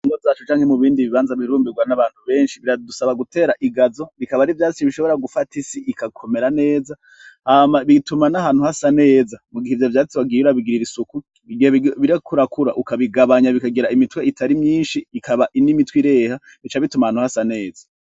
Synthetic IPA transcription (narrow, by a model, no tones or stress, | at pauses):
iŋɡozaːt͡ʃut͡ʃaːŋhemuβiːndiβiβaːnzaβiɾuːmbiɡwanaβaːn̥huβe̞ːnʃiβiɾadusaβaɡutʰe̞ːɾaʔiɡazo̞βikaβaɾivjaːt͡siiβiʃo̞βo̞ɾaɡufatʰisiʔikakʰo̞me̞ɾane̞ːza | haːmaβitumanaɦaːn̥huhasane̞ːzamuɡihevjavjaːt͡siβaɡiuɾaβiɡiɾiɾisuku | βiɡieβiɾakʰuɾakuɾaʔukaβiɡaβaɲaβikaɡiɾaimitweitʰaɾimɲiːnʃiːkʰaβaʔinimitwiɾe̞ːha | βit͡ʃaβitumahaːnhuhasane̞ːza